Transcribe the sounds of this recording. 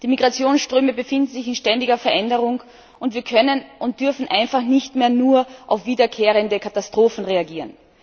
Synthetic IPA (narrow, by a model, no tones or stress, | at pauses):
d̥iːmiɡʁat͡sjoːnsʃtʁ̥øːməbəfɪndn̩zɪçɪnʃtɛndɪɡɐfɛɐʔɛndəʁʊŋ | ʊntviːɐkʰœnənʔʊnt̚d̥ʏɐfn̩ʔaɪnfaχnɪçtmeːɐnuːɐʔaʊfv̥iːdɐkʰeːʁ̞əndəkʰatastʁ̥oːfn̩ʁeaɡiːʁən